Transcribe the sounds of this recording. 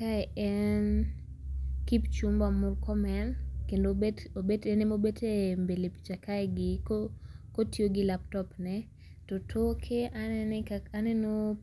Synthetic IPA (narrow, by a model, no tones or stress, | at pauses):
kaɛɛn | kipt͡ʃumbamʊrkʰɔmɛnkendoetobetenemobetʰembelepi̥t͡ʃakaɛɡɪkokotjoɡɪlap̚tɔpnɛ | tɔtʰokʰeanɛnɛkaanɛno